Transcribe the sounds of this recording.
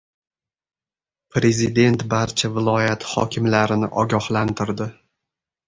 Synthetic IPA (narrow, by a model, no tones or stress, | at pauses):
pɾe̞zɪd̪e̞nt̪baɾt͡ʃʰavɪlˠɒjat̪hɒ̰kʲʰɪmlaɾɪnɪʔɒɡʲɒhlant̪ʰɪɾd̪ɪ